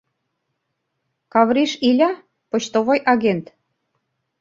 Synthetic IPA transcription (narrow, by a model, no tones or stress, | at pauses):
kɑβɾiʃilʲɑ | pŏt͡ɕt̪oβojʔɑɣent̪